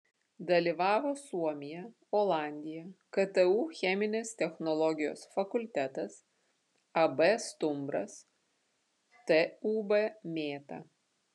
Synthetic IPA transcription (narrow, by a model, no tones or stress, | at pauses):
d̪ɐlʲiʋɑːʋoːsuɔmʲɪjɛ | oːlˠɑˑnʲd̪ʲɪjɛkɐt̪ɛuːxʲɛmʲɪnʲeːst̪ʲɛxnɔlˠɔɡʲɪjo̰ːsfɐkʊlʲt̪ʲæt̪ɐs | ɐbɛst̪ʊmbɾɐ̰s | t̪ɛuːbɛmʲeːt̪ɐ̰